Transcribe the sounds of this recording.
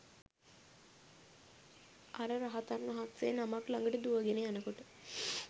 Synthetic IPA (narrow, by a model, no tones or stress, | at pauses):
aɾəɾaɦat̪anʋɐɦat̪senamaklaŋɡəʈəd̪uʋəɡenejanəkoʈə